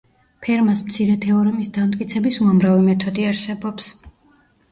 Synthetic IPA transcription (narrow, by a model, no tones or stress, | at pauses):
pʰɛɾmasmt̪sʰiɾɛt̪ʰɛɔɾɔmisd̪amt̪ʼkʼit̪sʰɛbisuamɾavimɛt̪ʰɔd̪iaɾsɛbɔps